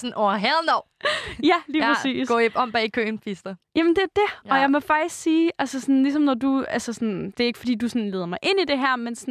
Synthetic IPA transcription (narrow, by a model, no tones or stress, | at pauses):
sɔnɒɐɦɛðˠnɒʊ̰jæliːpʰʁɛsḭːsɡɔ̰ɒ̽m̰b̥ɛ̰ːikʰø̰ːnpʰisd̥ɐjæmənd̥e̝æɐd̥e̝ɒ̽jɑ̈ɪmɒfɑ̈ɡ̥̚d̥isɡ̥siːʔælsəsɔ̽nlisɒ̽mnɒd̥uælsəsɔ̽nd̥e̝æɐeɡ̥fɒ̽d̥ḭːd̥usɔnle̝ːð̞ˠɐmɑ̈ɪʔe̝n̰id̥e̝ɦæɐ̰mensn